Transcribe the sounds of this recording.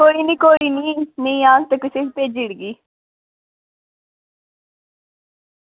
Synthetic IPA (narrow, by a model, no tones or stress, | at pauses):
koːiːnĩːkoːiːniːnəĩːãːɡt̪əkɪseːkt̪eːd͡ʒɪɽɡiː